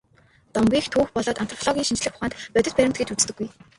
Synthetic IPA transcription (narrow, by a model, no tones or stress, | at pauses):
t̪ɔmɡʲiːxt̪ʰuːxpɔɮɔːt̪ant̪ʰrɔ̥ɮɔɣʲiːŋʃint͡ɕɮɘ̆xʊ̥χaːnt̪pœt̪ʲɪ̆t̪̚pæɾʲɪ̆mt̪̚ɡĕt͡ɕut͡st̪ɘ̆ɡːuj